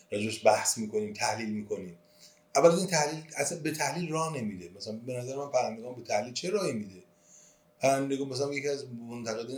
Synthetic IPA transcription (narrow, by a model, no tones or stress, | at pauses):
ɾɒːd͡ʒebeʃbæhsmiːko̞niːmt̪ʰæhliːlmiːkʰo̞niːm | ʔævːælæniːnt̪ʰæhliːlæsænbe̞t̪ʰæhliːlrɒːhne̞miːd̪emæsælæmbe̞næzæɾemænpʰæɾænd̪e̞ɡɒːnbe̞t̪ʰæhliːlt͡ʃʰe̞ɾɒːhimiːd̪e | pʰæɾænd̪eɡɒːmæs̬ælæmjecʰiæzmont̪ʰæɣe̞d̪i